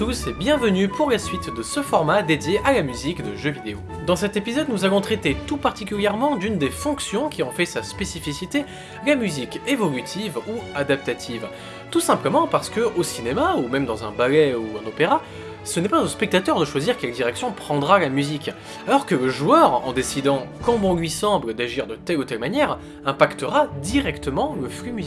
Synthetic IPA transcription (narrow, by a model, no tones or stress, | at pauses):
t̪usɛbjɛ̃vənypʰuʁlasɥit̪d̪əsəfɔʁmad̪ed̪jeʔalamyzikd̪əʒøvid̪eo | d̪ɑ̃sɛt̪epizɔd̪nuzavɔ̃t̪χɛt̪et̪upaʁt̪ikʲyljɛʁmɑ̃d̪ynd̪efɔ̃ksjɔ̃kʲiɔ̃fɛsaspesifisit̪e | lamyzikevɔlyt̪ʰivuad̪ap̚t̪at̪ʰiv | t̪usɛ̃pləmɑ̃paʁsə̥kəosinemaumɛmd̪ɑ̃zɛ̰̃balɛuɛ̃nopeʁa | sənɛpazospɛk̚t̪at̪œʁd̪əʃwaziʁkʲɛld̪iʁɛksjɔ̃pχɑ̃d̪ʁalamyzik | alɔʁkələʒuœʁɑ̰̃d̪esid̪ɑ̃kɑ̃bɔ̃lɥisɑ̃bləd̪aʒiʁd̪ət̪ɛlut̪ɛlmanjɛʁ | ɛ̃pakt̪əʁad̪iʁɛkt̪əmɑ̃ləflymyzi